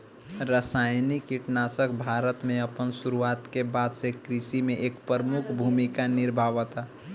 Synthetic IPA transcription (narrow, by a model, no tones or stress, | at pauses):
ɾəsajnikiʈnasəkbʱaɾət̪mẽəpənsuɾuat̪kebad̪sekɾisimẽʔekpɾəmukʰbʱumikanɪɾbʱaʋət̪a